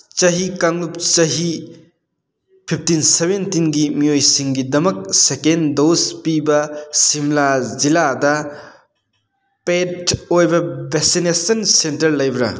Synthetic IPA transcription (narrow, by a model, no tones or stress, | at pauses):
t͡ʃɐɦikaŋlup̚t͡ʃɐɦi | pʰip̚ʰtinsebentinɡimiojsiŋɡidɐmɐk̚sekendospibɐsimlaziladɐ | petojbɐbʱeksinesɐnsentɐɾlɐjbɾɐ̰